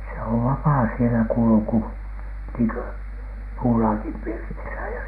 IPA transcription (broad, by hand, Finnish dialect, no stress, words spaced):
se oʋ ʋɑpɑː sielæ kulŭku niːŋkø puːlɑːkim pirtisæ jɑ